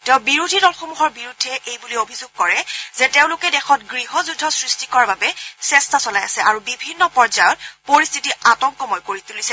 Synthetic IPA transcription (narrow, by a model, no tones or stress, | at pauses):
tɛʊ̃biɹudʱidɔlxomuɦɔɹbiɹudʱːɛʔejbuliobʱizoɡ̚kɔɹɛzɛteʊ̃lʊkɛdɛxɔtɡɹiɦɔzudʱːɔsɹistikɔɹababɛsɛstasɔlajasɛʔaɹubibʱinːɔpɔɹzajɔtpoɹistʰitiʔatɔŋkɔmɔjkoɹitulisɛ